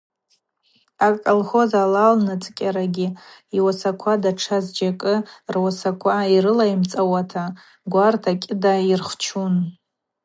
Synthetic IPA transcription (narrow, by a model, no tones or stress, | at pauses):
akʼolχo̞zalalnat͡sʼkʲʼaɾaɡʲiiwasakʷʰadaʈ͡ʂʰazd͡ʒakʼɨrwasakʷʰaiɾɨlaimt͡sʼawatʰa | ɡʷartʰakʲʼɪdairχʷt͡ʃʰun